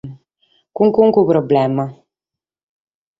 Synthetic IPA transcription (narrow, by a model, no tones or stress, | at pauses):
kuŋkuŋkupɾɔblɛma